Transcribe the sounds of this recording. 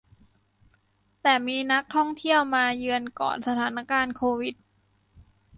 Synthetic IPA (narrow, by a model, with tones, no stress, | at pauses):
t̪ɛː˨˩miː˧na˦˥k̚t̪ʰɔ˥˩ŋt̪ʰi˥˩əwmaː˧jɯ˧ənkɔ̰ː˨˩nsa˧t̪ʰaː˩˦na˦˧˥kaː˧nkʰoː˧wi˨˩t̪̚